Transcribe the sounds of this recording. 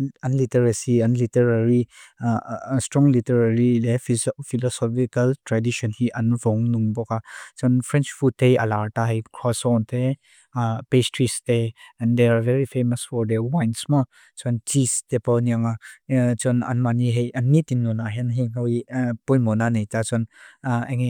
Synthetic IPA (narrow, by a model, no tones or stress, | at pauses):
ɐnlitəɾasiɐnlitɛɹaɹi | stɹɔ̃ŋlitəɹaɹilɛfilɔsɔfikɐltɹadiʃɔnhiʔɐnvɔŋnuŋbɔkat͡ʃɔnfɹɛ̃nt͡ʃfut̚t̪ːejɐ̰laɹtaɦejkʰɹɔsɔnt̪ʰe | pestɹisteɛ̃nd̪eavɛɹifeməsfɔɹd̪ɛwajnsma | t͡ʃɔntistepɔniaŋat͡ʃɔna̰nmaniɦejɐnːit̪inːɔnaɦɛnɦinawipɔjmɔnanejtat͡ʃɔnɛŋi